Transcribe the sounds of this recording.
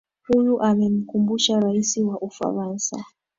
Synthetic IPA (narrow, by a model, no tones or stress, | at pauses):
hujuʔamɛm̩kumbuʃaɾaisiwaʔufa̰ɾansa̰